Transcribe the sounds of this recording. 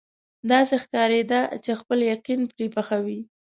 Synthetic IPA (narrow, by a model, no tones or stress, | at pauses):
d̪ɑsexkɑɾed̪at͡ʃexpəljaqinpɾepaxawi